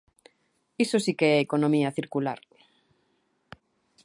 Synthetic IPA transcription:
isosikeɛekonomiaθiɾkula̰ɾ

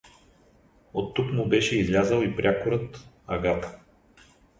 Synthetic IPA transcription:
ot̪ːukmʊbɛʃɛizlʲazəlˠipɾʲʔakʊɾɤt̪ | ɐɡat̪ə̥

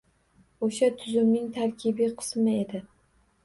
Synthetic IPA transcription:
oʃat̪ʰʊzʊmnɪŋt̪ʰaɾkʲʰɪbiqʰɨ̥smɪe̞d̪ɪ

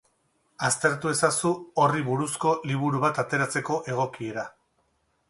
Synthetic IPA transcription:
ast̪e̞ɾt̪ue̞sasuoriβuɾusko̞liβ̞uɾuβat̪at̪e̞ɾat͡se̞ko̞ʔe̞ɣ̞o̞kie̞ɾa

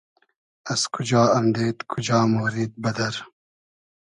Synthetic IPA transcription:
ɐskʰud͡ʒɑːɐmd̪eːt̪kʰud͡ʒɑːmoːɾiːd̪̚bɐd̪ɐɾ

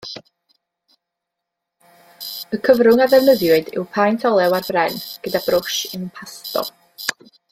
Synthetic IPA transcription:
əkʰəvɾʊŋaðɛvnəðjʊɨdɪ̰wpʰajntʰɔlˠɛwarbrɛnɡ̥ədabrʊʃɪnənpʰastɔ̰

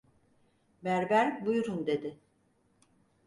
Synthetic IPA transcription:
bæɾbæɾbujuɾund̪e̞d̪ɪ

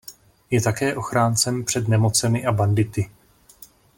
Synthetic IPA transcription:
jɛt̪akɛːʔo̞xɾaːnt͡sɛmpr̝̥ɛd̪nɛmo̞t͡sɛmɪʔabandɪt̪ɪ

